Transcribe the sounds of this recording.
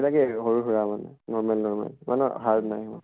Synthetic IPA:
lakɛɦɔɹuɦuɹamanɛ̰nɔɹmalnɔɹma̰lma̰nɛɦaɹdnajɔ̰

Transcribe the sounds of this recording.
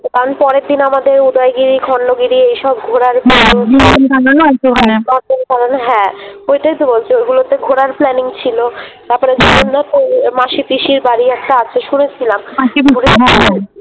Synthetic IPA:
t̪t̪anpɔɾeɾd̪inamad̪eɾud̪ajɡiɾikʰɔɳɖoɡiɾiejʃɔb̚ɡʱoɾaɾboubitonkalonɛt̪oanɔɾdonkalonɦɛ̃ojʈajt̪ubolt͡ɕʰoeɡulot̪eɡʱoɾaɾplɛniŋt͡ɕʰilot̪aɾpɔɾed͡ʑɔmonːat̪omaʃip̪iʃiɾbaɾiɛkʈaat͡ɕʰeʃunet͡ɕʰilamaibʱɡuɾea

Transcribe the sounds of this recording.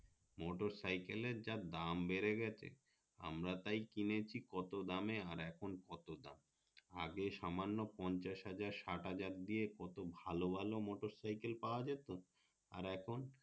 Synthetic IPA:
mɔʈoɾsajkeleɾd͡ʑad̪ambeɾeɡɛt͡ɕʰḛ | a̰mɾat̪ajkinet͡ɕʰikɔt̪od̪ameaɾɛkʰonkɔt̪od̪am | aɡeʃamanːopɔɲt͡ɕaʃɦad͡ʑaɾʃaʈɦad͡ʑaɾd̪iekɔt̪obʱalobʱalomɔʈoɾsajkelpaoad͡ʑet̪o | a̰ɾɛkʰon

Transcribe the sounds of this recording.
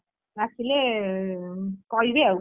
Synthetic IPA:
asile | kʌiɾeaw

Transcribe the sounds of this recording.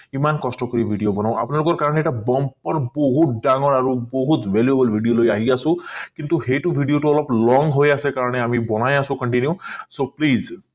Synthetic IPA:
imankɔsʈɔkɔɾibʱiɖijobɔnaw̃a̰pnalokɔɾkaɾəɽeeʈabɔmpːʌɾbɔɦut̪̚ɖaŋɔɾaɾubɔɦut̪bʱeljebəlbʱiɖijolojaɦiasʰũkint̪uɦejʈubʱiɖijoʈuɔlɔplɔŋɡɦojasekaɾəɽ̃eamibɔnajasʰũkʌɳʈinjusopliz

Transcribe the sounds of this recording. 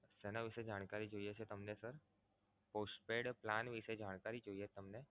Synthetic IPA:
sɛnaʋised͡ʒaɽ̃kaɾid͡ʒojet͡ʃʰet̪əmnesəɾ | posʈpeɽplanʋised͡ʒaɽ̃kaɾid͡ʒojet̪əmne

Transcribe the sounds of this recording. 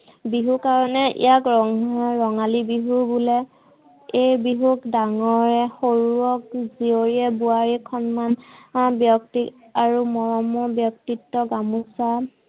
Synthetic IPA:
biɦukaɹɔnɛʔḭjakɹɔŋɹɔŋalibiɦubulɛ | ejbiɦukdaŋɔɹɛxoɹuɔk̚zioɹiɛbuaɹikʰɔnmanbjɔk̚tik | aɹumɔɹɔmɔbjɔk̚titːɔɡamusa

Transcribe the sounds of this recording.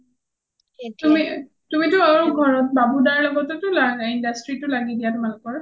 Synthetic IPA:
tumi | tumitʊaɹuɡʱɔɹɔt̚babudaɹlɔɡɔtɛtʊlaɡaindastɹitʊlaɡidijatmankɔɹa

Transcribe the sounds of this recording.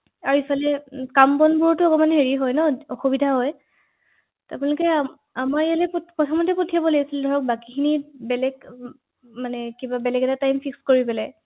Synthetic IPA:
aɹuifalɛkambɔnbuɹɔtʊɔkɔmanɦeɹiɦɔjnɔɔxubidʱaɦɔj | tapunɛlɔkɛ | amaɹɛjalɛppɔtʰɔmɔtɛpotʰijabɔleasildʱɔɹɔk̚bakikʰinibɛlɛɡ | manɛkibabɛlɛɡɛtatajmfʰikskoɹipɛlɛ

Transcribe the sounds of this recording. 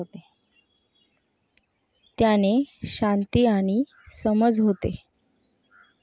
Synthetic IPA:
ot̪e | t̪janeɕant̪iːaɽ̃i | səməd͡zɦot̪ḛ

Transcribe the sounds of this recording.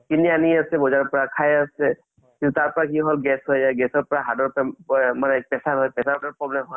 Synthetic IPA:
kinianiasɛbɔzaɹɔpɔɹakʰajasɛ | kĩnt̪ut̪aɹpɔɹakiɦɔlɡɛsɦɔjjaɡɛsɔɹpɔɹaɦadɔɹpɛmanɛk̚pɛsaɹɦɔjpɛsaɹdɔpɹɔblɛmɦɔ

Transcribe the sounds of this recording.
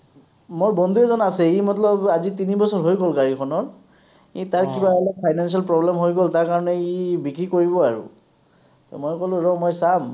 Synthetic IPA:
moɹbɔnd̪ʱuɛzɔnasɛimɔtlɔbazitinibɔsɔɹɦojɡɔlkaɹikʰɔnɔɹ | itaɹkibaɛlɔpʰajnansialpɹɔblɛmɦojɡɔltaɹkaɹɔnɛibikɹikoɹibɔaɹṵ | tmojkolʊ̃ɹɔmɔjsam

